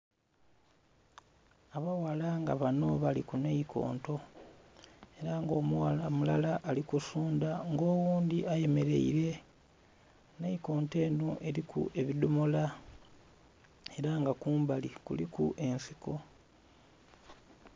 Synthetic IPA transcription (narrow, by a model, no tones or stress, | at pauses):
aβawalaŋɡa̰βano̞βalikunejikʰo̞̰ːnto̞ | e̞ɾaŋɡo̞ːmuwalamulalaʔːlikusuːndaŋɡo̞ːwuːnd̪iʔaje̞me̞ɾe̞̰ḭɾe̞ | neiko̞ːnte̞ːnoʔe̞ɾikṵʔe̞βidomola | e̞ɾaŋɡakuːmbalikṵlikuʔe̞nsiko̞